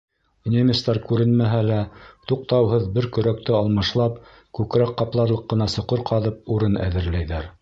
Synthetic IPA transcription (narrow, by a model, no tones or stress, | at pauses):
nʲemʲɪst̪ɑɾkʉɾɘnmæɦælæt̪uq̚t̪ɑwɦɤðbɘɾkɵ̆ɾæk̚t̪ɘɑlˠmɤ̆ʃlˠɑp | kʉkɾæqːɑplˠɑɾlˠɤqːɤ̆nɑsŏqɤɾqɑðɤp̚uɾɤnæ̰ðɘ̆ɾlæjðæɾ